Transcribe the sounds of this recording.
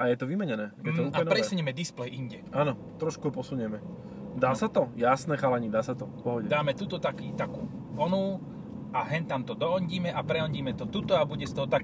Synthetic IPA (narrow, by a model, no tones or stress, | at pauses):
ʔajɛt̪ɔʋimɛɲɛnɛːjɛɔanpɾɛsuɲɛmɛd̪isplɛjʔiɲɟɛaːnɔt̪ɾɔʃkuɔpɔsuɲɛmɛ | d̪aːsat̪ɔjasnɛːxalɛɲiːd̪aːsat̪ɔpɔɦɔɟɛd̪aːmɛt̪ut̪ɔt̪akiːt̪akuːʋɔnu | ʔaɦɛnt̪amt̪ɔd̪ɔɦɔɲɟiːmɛʔapɾɛɔɲɟiːmɛt̪ɔt̪ut̪ɔabuɟɛst̪ɔɦɔt̪ak